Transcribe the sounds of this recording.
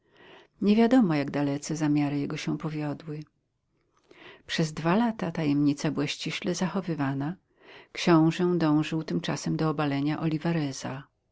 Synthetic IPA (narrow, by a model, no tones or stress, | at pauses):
ɲɛvʲjad̪ɔmɔjaɡd̪alɛt̪sɛzamʲjaɾɘjɛɡɔɕɛ̃pɔvʲjɔd̪wɘ | pʂɛzd̪valat̪at̪ajɛmɲit̪sabɘwaɕt͡ɕiɕlɛzaxɔvɘvana | kɕɔ̃w̃ʐɛd̪ɔ̃w̃ʐɘwt̪ɘmt͡ʂasɛmd̪ɔːbalɛɲaʔɔlʲivaɾɛz̥a